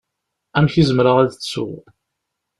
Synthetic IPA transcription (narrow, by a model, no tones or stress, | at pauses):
æmçizəmɾəʁæðt͡sːsʊ̰ʁ